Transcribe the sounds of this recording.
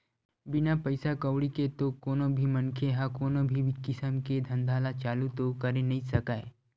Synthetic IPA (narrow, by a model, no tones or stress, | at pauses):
bɪnapəɪsakəwɽiket̪okoːnõbʱimɐ̃nkʰeɦãkoːnõbʱiʋkɪsəmked̪ʱə̃nd̪ʱaːlat͡ʃaːlut̪okɐɾenɐɦĩsɐkaːe